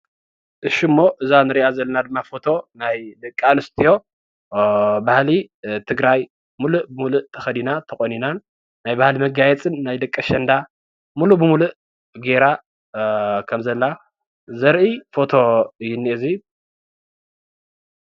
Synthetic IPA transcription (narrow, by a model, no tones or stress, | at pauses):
ʔɨʃimːo̞ʔɨzanɨɾiʔazɐlːɐnad̪ɨmːafo̞t̪ʰo̞najd̪ɐkʼːanɨst̪ʰijo̞ | bahli | t̪ʰɨɡɾaj | muluʔbɨmuluʔt̪ʰɐxɐd̪inat̪ʰɐkʼoninanː | ajbahlimɐɡajɛt͡sʼɨnːajd̪ɐkʼːɐʃɐnd̪a | mulubɨmuluʔ | ɡe̞ɾa | kʰɐmzɐlːa | zɐɾʔifo̞t̪ʰo̞ɨjːɪnːiʔɨzi